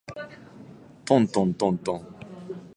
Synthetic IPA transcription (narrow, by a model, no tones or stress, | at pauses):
t̪ɔ̃nt̪ɔ̃nt̪ɔ̃nt̪ɔ̃ŋ